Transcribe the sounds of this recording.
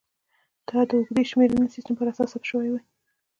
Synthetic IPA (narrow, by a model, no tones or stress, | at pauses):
d̪̥ɑd̪əʊɡd̪eʃmeɾənəsistəmpəɾasɑsapʃəwajwaj